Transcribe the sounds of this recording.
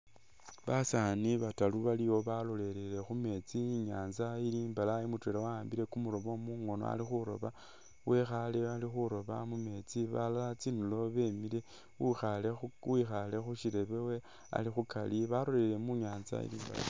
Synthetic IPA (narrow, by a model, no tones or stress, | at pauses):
βasaniβataluβaliwo̞βalo̞le̞lele̞xume̞t͡siɲaːnzailiːmbalaimutwe̞lawaaːmbiɾe̞kumuɾoβo̞muŋo̞no̰a̰lixuɾo̞̰βa | wʔe̞xalialixuɾo̞βa̰mume̞t͡siβalalat͡sinulo̞βe̞mile̞ | xalewixale̞xuʃiɾe̞βewe | a̰lixukʰaliβalo̞le̞le̞muɲaːnza̰ḭlḭːmba̰la̰